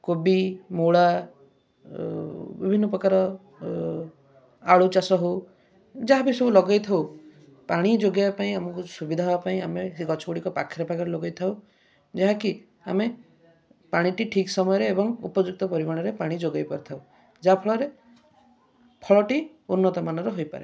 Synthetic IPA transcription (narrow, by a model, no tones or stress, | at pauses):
kobimoɭa | bibʱinːɔpɾɔkaɾɔ | aɭut͡ʃasɔɦo | d͡ʒaɦapisɔbulɔɡajt̪ʰaw | paɽ̃id͡ʒoɡjaapaĩamɔŋkusubid̪ʱaɦobapaĩamesɡɔt͡ʃʰɔuɽikɔpakʰːiɾɔpakɔɾelɔɡajt̪ʰaw | d͡ʒaɦaki | a̰me | paɽ̃iʈiʈʰiksɔmɔjɔɾeːbɔŋupɔd͡ʒuk̚t̪ɔpɔɾimaɽ̃ɔɾepaɽ̃id͡ʒoɡajpɔɾt̪ʰaw | d͡ʒapʰɔɭɔɾe | pʰɔɭɔʈi | unːɔt̪ɔmanɔɾɔɦojpa̰ɾḛ